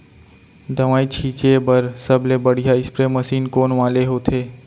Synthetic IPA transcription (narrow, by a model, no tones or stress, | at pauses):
d̪ʱɐʋaːit͡ʃʰiːt͡ʃebəɾsəblebəɽ̤ijaɪspɾeməsiːnkoːnʋaːleɦoːt̪ʰeː